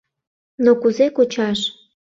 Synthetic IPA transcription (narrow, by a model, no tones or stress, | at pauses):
nokuzekut͡ɕɑʃ